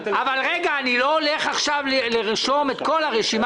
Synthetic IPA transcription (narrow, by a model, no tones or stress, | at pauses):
avalʁeɡaːnilo̞ːleχaχʃavleleʁiʃo̞me̞t̪ko̞laʁeʃim